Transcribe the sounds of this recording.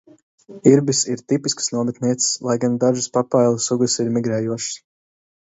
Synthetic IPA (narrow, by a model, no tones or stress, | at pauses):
iɾbisiɾt̪ipisksnuɔbɛt̪niɛt̪sslˠajɡand̪aʒɨspapajlˠɨsuɡusiɾmiɡɾɛːjuɔʃs